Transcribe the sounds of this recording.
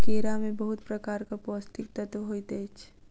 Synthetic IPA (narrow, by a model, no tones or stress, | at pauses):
keːɾamẽbɐɦʊt̪pɾɐkaːɾkapɔːst̪ɪk̚t̪ɐt̪ʋɦoit̪ɛːt͡ʃʰ